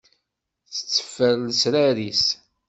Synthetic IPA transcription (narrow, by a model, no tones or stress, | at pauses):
t͡sːə̥t͡sːə̥fːəɾlsɾæɾis